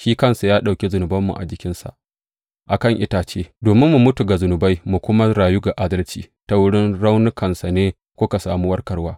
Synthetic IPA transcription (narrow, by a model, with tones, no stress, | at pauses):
ʃiː˦kɐ˦nsa˨jaː˦ɗa˨wkʲe˦zʊ˨nʊ˨bɐ˦mːṵ˨ʔa̰˨d͡ʒɪ˦kʲɪ˦nsa̰˨ʔ | ʔa˨kɐ˦˨ŋʔɪ˦taː˨t͡ʃeː˦doː˨mɪ˦mːu˨mʊ˦tu˨ɡa˨zʊ˨nʊ˨ba˦jmu˨kʷʊ˦ma˦ɽaː˨ju˦ɡa˨ʔa˦dɐ˦lt͡ʃḭː˦ | ta˦wʊ˦ɽɪ˦nɽa˦wnʊ˦kʰɐ˨nsa˨neː˦ | kʷʊ˦ka˨sa̰ː˨muː˦wɐ˦rkɐ˦rwaː˦